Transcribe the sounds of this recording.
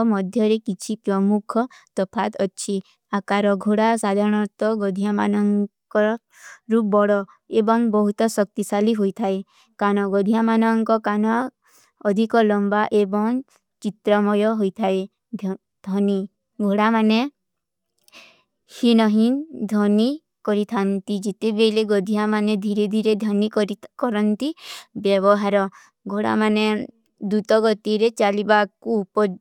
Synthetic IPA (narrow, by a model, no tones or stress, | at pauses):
ɔmɔd̪ʱjɔɾekit͡ʃʰipɾɔmukʰɔt̪ɔpʰat̪ɔːt͡ʃʰi | akaɾɔɡʱoɽasad̪ʱaɾɔɽ̃ɔɾt̪ɔɡɔd̪ʱijama̰nɔŋkɔɾ | ɾubɔɽɔ | ebɔŋbɔɦut̪ɔsɔk̚t̪isaliɦojt̪ʰae | kanɔɡɔd̪ʱijamanɔŋkɔkanɔː | d̪ʱikɔlɔmbaʔebɔŋ | t͡ʃit̪ɾɔmɔjɔɦojt̪ʰae | d̪̥ʱɔni | ɡʱoɽamane | hinɔɦind̪ʱɔni | kɔɾit̪ʰant̪id͡ʒet̪ebeleɡɔd̪ʱijamaned̪ʱiɾed̪ʱiɾed̪ʱjɔnikɾkɔɾɔnt̪ibjɔbɔɦaɾɔ | ɡʱoɽa̰mane | d̪ut̪ɔɡɔt̪iɾet͡ʃalibakupɔ